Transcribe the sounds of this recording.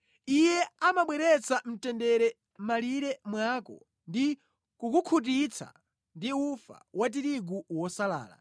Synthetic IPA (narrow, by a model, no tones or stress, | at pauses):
ijɛamaɓwɛɾɛt͡sam̩tɛndɛɾɛ | maliɾɛmwakɔ̰ | ndi | kukukʰut̬it͡sʰa̰ | ndiufa̰wat̬iɾiɡuwɔsala̰ːla̰